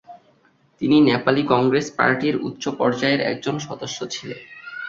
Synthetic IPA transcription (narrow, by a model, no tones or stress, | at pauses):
t̪ininepalikɔŋɡɾespa̰ɾʈiɾṵt̪ːɕopɔɾd͡ʑaeɾɛ̰k̚d͡ʑonʃɔd̪oʃːot͡ɕʰilen